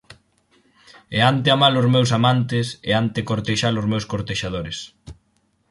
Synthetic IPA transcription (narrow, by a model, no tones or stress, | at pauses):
eant̪ɪamalʊzmewsamant̪ɪsḛant̪ekoɾt̪eʃalʊzmewskoɾt̪eʃaðoɾes